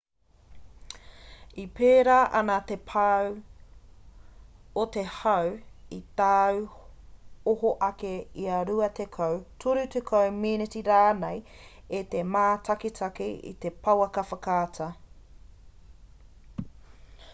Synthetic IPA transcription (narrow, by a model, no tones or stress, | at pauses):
ipeːɾaːʔɐnat̪epʰɐw | ot̪ehɐwit̪aːw | ohoʔɐkeiɐɾuɐt̪ekʰɐwtʰuɾʉt̪ekʰowminetiɾaːnej | et̪emaːtʰɐkitʰɐkiḭt̪epʰɐwɐkɐfɐkaːtʰɐ